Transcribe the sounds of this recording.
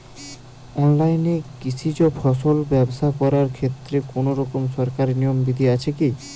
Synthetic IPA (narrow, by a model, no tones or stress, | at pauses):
ɔnlajnekit͡ɕʰit͡ɕopʰɔʃolbɛboʃakɔɾaɾkʰet̪ːɾekonoɾɔkomʃɔɾkaɾnijombid̪ʱiat͡ɕʰeki